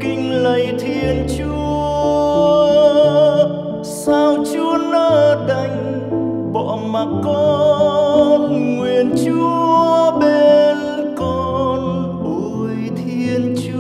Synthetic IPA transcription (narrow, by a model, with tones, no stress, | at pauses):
kï˧ŋ̟lə˨˩jt̪ʰi˧ənt͡ɕu˧ | saː˧wt͡ɕu˨˧˦ənəː˧˦ɗə˧˩jŋ̟ | ɓɔ̰˧˨ma˨˩kɔ˧˦ | nŋwi˨˩ənt͡ɕu˨˧˨əəəɓe˧n | kɔ˧n | ʔo˨˩ | jt̪ʰi˧ənt͡ɕ